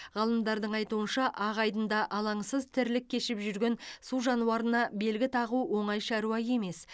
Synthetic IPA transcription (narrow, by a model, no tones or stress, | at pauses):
ʁɑlˠəmd̪ɑɾd̪əɴɑjt̪uənʃɑʔɑʁɑjd̪ənd̪ɑʔɑlˠɑɴsəzt̪ʰɪɾlɪkʲʰːe̞ʃɪpʒʏɾɡʲe̞nsuʒɑnuwɑɾənɑbe̞lɡʲɪt̪ʰɑʁuwo̞ɴɑjʃɑɾuɑje̞me̞s